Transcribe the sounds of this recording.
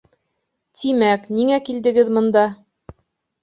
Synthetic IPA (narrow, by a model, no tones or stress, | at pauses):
t̪ʰimækniŋækild̪ɘ̆ɡɘðmɤ̆nd̪ɑ